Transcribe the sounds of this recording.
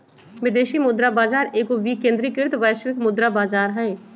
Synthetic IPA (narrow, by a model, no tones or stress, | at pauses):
ʋɪd̪eːʃimʊd̪ɾabaːd͡ʒaːɾeːkoʋiːkẽːnd̪ɾikɪɾt̪ʋɛːʃʋɪkmʊd̪ɾabaːd͡ʒaːɾɦɛ̃ː